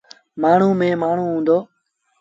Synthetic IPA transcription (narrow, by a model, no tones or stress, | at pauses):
maːɳ̤ũːmẽːmaːɳ̤ũːɦũːnd̪oː